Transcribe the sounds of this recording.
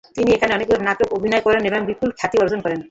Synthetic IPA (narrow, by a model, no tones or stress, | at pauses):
t̪iniekʰaneɔnek̚ɔɾnat̪ɔkobʱinɔjkɔɾenebɔŋbikulkʰjat̪iɔɾzɔnkɔɾen